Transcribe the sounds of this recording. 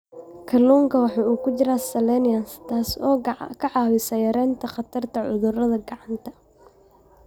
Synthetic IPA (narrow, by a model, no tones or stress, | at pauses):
kʰɐluːŋkʰɐwɑħɑːuːkʰʊt͡ʃɪɾaːsɐlɛnɪɐnst̪ʰaːsɔːkʰɐʕɑːwɪsɐjɐɾɛːnt̪ʰɐχɑt̪ʰɐrt̪ʰɐʕʊðʊrɐðɐɡɑʕɑnt̪ʰɐ̥